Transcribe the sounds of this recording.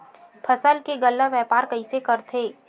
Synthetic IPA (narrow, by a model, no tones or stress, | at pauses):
pʰɐsəlkeɡəlːaʋjɛːpaːɾkɐisekɐɾt̪ʰeː